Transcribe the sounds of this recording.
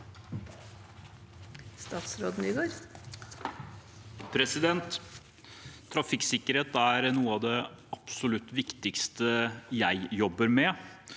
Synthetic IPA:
st̪ɑːt̪sɾoːd̪n̩yːɡoːɾ | pʰɾɛsɪd̪ɛnt̪ | ɾɑfɪksɪkːəɾheːt̪æɾnuːəɑʋd̪ɛɑpsʊlʉt̪ːʋɪkt̪ɪkst̪əjæɪjɔbəɾmɛ

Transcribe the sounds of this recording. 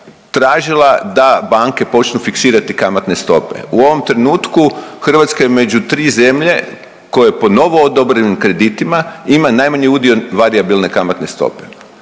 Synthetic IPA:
t̪ɾaːʒilˠad̪abaŋke̞po̞t͡ʃnufiksiːɾat̪ikamat̪ne̞st̪o̞̰pḛuo̞ʋo̞mt̪ɾenuːt̪kuxr̩ʋat̪skajeme̞d͡ʒut̪ɾiːze̞mʎe̞̰ | ko̞je̞po̞no̞ʋo̞od̪obɾenimkɾe̞d̪it̪imaimanajmaɲiud̪io̞ʋaɾiabilne̞kamat̪ne̞st̪o̰pe

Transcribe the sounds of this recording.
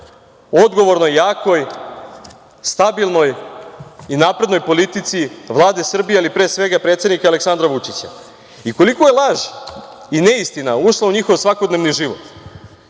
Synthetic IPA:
o̞d̪ɡo̞ʋo̞ɾnojːaːko̞j | st̪abilˠno̞j | inaːpɾe̞d̪no̞jpo̞lit̪it̪siʋlˠaːd̪e̞sr̩bijealipɾeːsʋe̞ɡapɾet̪se̞d̪nikaleksand̪ɾaʋut͡ʂit͡ɕa̰ | iko̞likoje̞lˠaʒ | ine̞ist̪inauʃlˠauɲixo̞ʋsʋako̞d̪ne̞ʋniʒiʋo̞̰t̪

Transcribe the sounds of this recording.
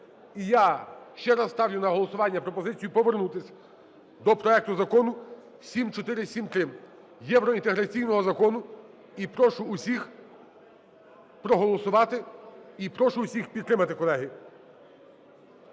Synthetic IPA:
ijaʃt͡ʃɛɾɐt̪ɑwjʊnɐɦɔlˠɔsʊʋɑnʲːɐpɾɔpɔzɪt͡sʲijʊpɔʋernut̪ɪsʲɐ | d̪ɔpɾɔɛk̚t̪ʊzɐkɔnʊ | sʲimt͡ʃɔt̪ɪɾɪsʲimt̪ɾɪm | jɛwɾɔint̪eɦɾɐt͡sʲijnɔɦɔzɐkɔnʊ | ipɾɔʃʊːsʲix | pɾɔɦɔlˠɔsʊʋɑt̪ɪipɾɔʃʊːsʲixpʲid̪ɾɪmɐt̪ɪkɔlˠɛɦi

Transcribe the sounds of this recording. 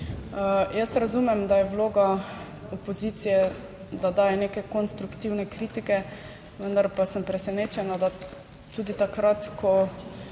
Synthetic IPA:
jəsɾazumɛmd̪ajɛwloːɡa | ɔpoziːt̪sijɛ | d̪ad̪aːjɛneːkɛkɔnst̪ɾukt̪iːwnɛkɾiːt̪ikɛ | ʋənd̪aɾpasəmpɾɛsɛneːt͡ʃɛnad̪a | t̪uːd̪it̪akɾat̪kʰɔ

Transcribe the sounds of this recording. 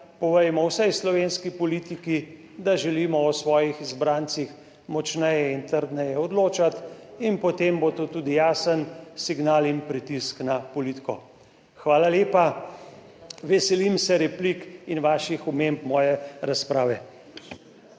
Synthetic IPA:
pɔʋɛjmɔwsɛjslɔʋenskipɔliːt̪iki | d̪aʒɛliːmɔɔsʋɔːjixizbɾaːnt̪six | mɔt͡ʃnɛjɛint̪əɾd̪nɛjɛɔd̪loːt͡ʃat̪inpɔt̪embot̪oːt̪uːd̪ijaːsənsiɡnaːlinpɾit̪isknapɔliːt̪kɔ̰ | xʋaːlaleːpa | ʋɛsɛlimsɛɾɛplikinʋaːʃixumempmɔːjɛɾaspɾaːʋɛ

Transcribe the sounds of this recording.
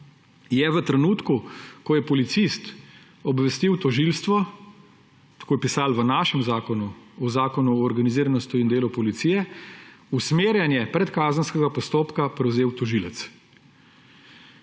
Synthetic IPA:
jɛʋət̪ɾɛnuːt̪kukɔjɛpɔlit̪sist̪ | ɔbʋɛst̪iwt̪ɔʒilst̪ʋɔ | t̪ḁkoːjɛpisaːlʋənaːʃɛmzaːkɔnuɔzaːkɔnuɔːɾɡaniziːɾanɔst̪uind̪eːlupɔlit̪sijɛ | usmeːɾjanjɛpɾɛt̪kaːzənskɛɡapɔst̪oːpkapɾɛwzeːwt̪ɔʒilɛt̪s

